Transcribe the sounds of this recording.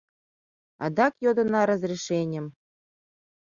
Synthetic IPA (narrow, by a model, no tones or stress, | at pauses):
ɑ̰d̪ɑkjod̪ɤ̆nɑɾɤ̆zrʲiʃenʲɘ̆m